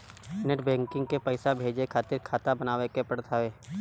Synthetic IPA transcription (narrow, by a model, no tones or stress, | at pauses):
nɪʈbɛ̃ːŋkɪ̃ŋɡkepəɪsabʱeːd͡ʒekʰaːt̪ɪɾkʰaːt̪abənaːʋekepəɽt̪ʰaʋeː